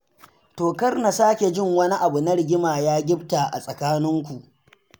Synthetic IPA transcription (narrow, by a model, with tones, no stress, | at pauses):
toː˨kɐ˦rna˨saː˦kʲe˨d͡ʒɪ˦ŋwɐ˦ni˦ʔa˨bu˨na˦ɽɪ˨ɡʲɪ˦maː˨jaː˦ɡʲɪ˦b̚ta˨ʔa̰˨sʼɐ˨kaː˦nɪ˦ŋkʷu˨ʔ